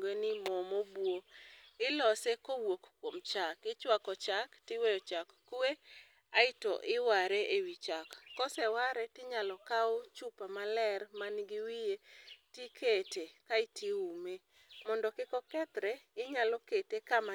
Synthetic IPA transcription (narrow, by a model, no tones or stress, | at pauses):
ɡenɪmɔmobwoɪlɔsekowokkwomt͡ʃakɪt͡ʃwakɔt͡ʃaktɪwejɔt͡ʃakːue | aɪtɔ̰ʔɪwaɾeʔewit͡ʃakːɔsɛwaɾɛtɪɲalɔkaot͡ʃupamalɛrmanɡɪwijetikʰetekaɪtiume | mɔndɔkɪkɔkɛt̪ɾɛɪɲalɔketekama